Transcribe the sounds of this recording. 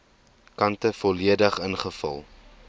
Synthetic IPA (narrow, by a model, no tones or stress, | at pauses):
kɐntəfɔliədəχənχəfɐ̰lˠ